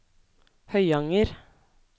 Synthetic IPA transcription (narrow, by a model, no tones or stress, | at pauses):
hœʏɑŋəɾ